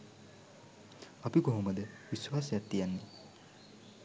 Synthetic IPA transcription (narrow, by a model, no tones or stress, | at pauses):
ɐpiɡoɦoməd̪əʋisʋaːsejat̪ːijanːe